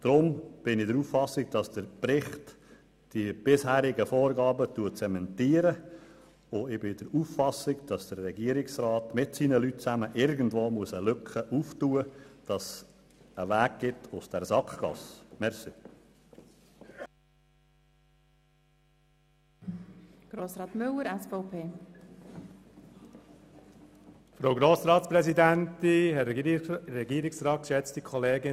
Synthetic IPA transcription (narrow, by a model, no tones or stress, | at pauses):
d̥ɾʊmb̥ɪnɪdəɾuːffɑsɪɡd̥ɑsd̥əɾpɾɪχt | d̥ib̥ɪshæːɾɪɡəfoːɾɡɑːbətuːət͡sɛmɛntiːəɾə | ʊɪbɪd̥əɾuːffɑsɪɡd̥ɑsd̥ərːɛɡiəɾɪksrɑːtmɪtsiːnəlyt̚t͡sæməʔɪɾɡən̩dvoːmuəsəlʏkχəʔuːftuːəd̥ɑs | əvæːɡ̚ɡ̥ɪtʊsd̥ɛɾzɑkχɡ̥ɑ̰smɛɾsi | ɡ̥ɾoːsɾɑːt̪mʏlːəɾɛsfɔʊpʰeː | fɾowɡɾoːsɾɑːt̪sprɛsidæntihɛrɛɡiːɾɪksrɑːt̚kʃɛt͡stikʰɔleːɡɪ